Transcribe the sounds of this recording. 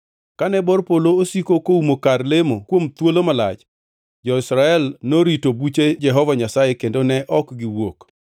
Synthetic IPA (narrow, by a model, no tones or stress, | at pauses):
kanɛbɔrpoloosikokoumokarlemokwomt̪wolomala̰t͡ʃ | d͡ʒɔɪsɾaɛlnoɾitobut͡ʃed͡ʒɛɦɔvaɲasajekendonɛʔɔkɡɪwok